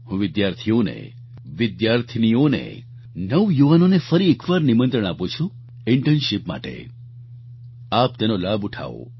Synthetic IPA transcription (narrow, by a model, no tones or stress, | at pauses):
hũʋɪd̪jaɾt̪ʰionḛ | ʋɪd̪jaɾt̪ʰnijonḛ | nəʋjuʋanonefəɾiekʋaɾnimə̃nt̪ɾəɳ̃aput͡ʃʰũ | ɪɳʈənʃɪpma̰ʈḛ | ap̚t̪enolabuʈʰa̰o̰